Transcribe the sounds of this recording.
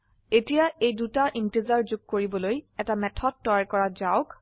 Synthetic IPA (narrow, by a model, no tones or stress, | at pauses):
etijaʔejdutaʔintizaɹzʊɡ̚koɹibɔlojɛtamɛtʰɔd̚tːɔjɹkɔɹazaʊk